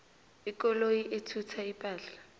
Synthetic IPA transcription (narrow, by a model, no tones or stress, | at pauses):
ɪkɔloiʔetʰutʰaipʼaːɬa